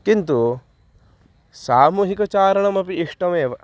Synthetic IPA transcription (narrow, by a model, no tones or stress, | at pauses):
kint̪u | saːmuːɦikɐt͡ʃaːɾɐɳɐmɐpiiʂʈɐmeːʋɐ